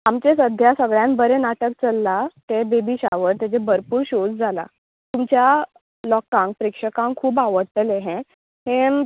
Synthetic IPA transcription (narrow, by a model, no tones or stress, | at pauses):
amt͡ɕesəd̪ʱjasəɡɭjãnbəɾenaʈək̚t͡səlːat̪ebebiɕa̰ʋəɾt̪jat͡ɕebəɾpuːɾɕod͡zd͡zʱala̰ | t̪umt͡ɕja | lɔkãŋkpɾikʂəkãŋkʰːuːbaʋəɽt̪əleɦɛ̃ | ɦẽ